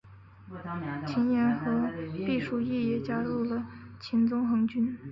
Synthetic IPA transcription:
t͡ɕʰi˧˥njɛ˧˥nxɤ˧˥pi˥˩ʂu˥˩i˥˩jɛ˨˩t͡ɕja˥ɻu˥˩lə˩t͡ɕʰi˧˥nt͡sʊ˥ŋxɤ˧˥ŋt͡ɕy˥n

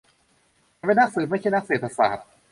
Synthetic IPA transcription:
a˨˩ʋe˥˩na˦˥k̚sɯː˨˩t̪̚ma˥˩t͡ɕʰa˥˩˨na˦˥k̚seː˨˩t̪ʰa˧sa̰ː˨˩t̪̚

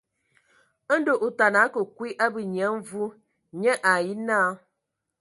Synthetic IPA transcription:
do˨ʔo˨ta˨na˨˦kə˨kwi˦ʔa˦bi˨ɲɛ˨˦m˦vu˦ | ɲɛ˦ʔa˨ji˦na˦

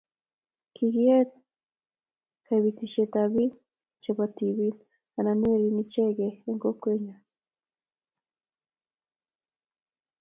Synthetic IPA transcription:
kʰiɣi˦e˦t̪ | kʰa˨iβi˨ki˨ʃe˨t̪a˨βi˦ | t͡ʃe˨βa˨t̪i˨βi˦n | a˨na˨ni˦e˦ɾi˨ni˦t͡ʃe˦ɡeː˨ŋɡo˦kwe˦ɲa˨

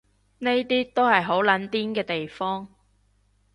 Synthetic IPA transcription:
ne˥jt̪iː˥t̪o˥whɐ˨jɦo˨˥wlɐ˨˥nt̪iː˥nkɛː˧t̪e˨jfɔː˥ŋ

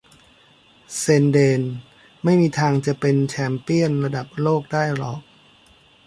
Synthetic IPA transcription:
seː˧ndeː˧n | ma˥˩jmiː˧t̪ʰaː˧ŋt͡ɕa˨˩ʔpe˧nt͡ɕʰɛː˧mpi˥˩ənɾa˧da˨˩p̚loː˥˩k̚daː˥˩jɾɔː˨˩k̚

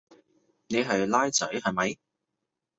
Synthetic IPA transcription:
ne˨˧jɦɐ˨jlaː˥jt͡sɐ˨˥jhɐ˨˩jmɐ˨˧˥j

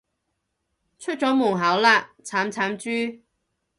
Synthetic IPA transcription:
t͡ʃʰɵ˥t̚t͡sɔː˨˥mʊː˨˩ŋɦaː˨˥wlaː˧t͡sʰaː˨˥mt͡sʰaː˨˥mt͡ʃyː˥

